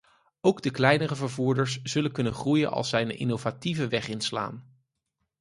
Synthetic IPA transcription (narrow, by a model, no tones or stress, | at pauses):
owɡdəklɛjnərəvəɹvuːɹdəɹsz̥ɵləkɵnənχrujənʔɑ̰lˠsɛjənʔɪ̰nowvativəʋɛχɪnsla̰ːn